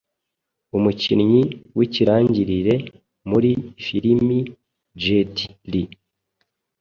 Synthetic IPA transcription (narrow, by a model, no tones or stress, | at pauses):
umucinɲiwiciɾaːɲɟiɾiɾe̞ | muɾifiɾimi | d͡ʒeti̥li